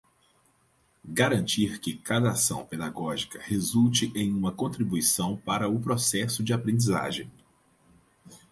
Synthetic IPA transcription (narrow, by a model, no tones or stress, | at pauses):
ɡaɾɐ̃nt͡ʃiɾkɪkad̪ɐasɐ̰̃w̃ped̪aɡɔʒikɐhezuwt͡ʃɪʔẽj̃ũmɐkõnt̪ɾibuisɐ̃w̃paɾɐʊpɾɔsɛsʊd͡ʒɪapɾẽnd͡ʒiza̰ʒḛ̃j̃